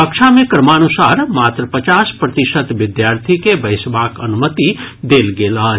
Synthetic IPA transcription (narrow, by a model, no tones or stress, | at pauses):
əkʃʰamẽkəɾmanusaːɾmaːt̪ɾəpət͡ʃaːspɾət̪ɪʃət̪ʋɪd̪jaːɾt̪ʰikebəɪsʋaːkə̰numət̪id̪eːlɡeːla